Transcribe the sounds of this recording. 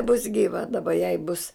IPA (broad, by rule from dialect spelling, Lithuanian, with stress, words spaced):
bʊs ɡʲiːˈʋɐ dɐˈbɐ jɛɪ bʊs